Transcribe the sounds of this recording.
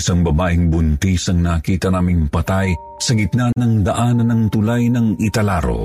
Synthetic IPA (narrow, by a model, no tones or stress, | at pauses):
isaŋbɐbaːʔɪŋbʊnt̪isɐŋnaːkiːt̪ɐnaːmɪŋpɐt̪aj | sɐɡɪt̪̚nanɐŋd̪ɐʔanɐnɐŋt̪ʊlajnɐŋɪt̪ɐlaɾo̰